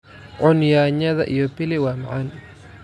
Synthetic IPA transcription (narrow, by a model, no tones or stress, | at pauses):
ʕʊnjaːɲɐðɐʔijɔbɪlɪwaːmɐ̰ʕan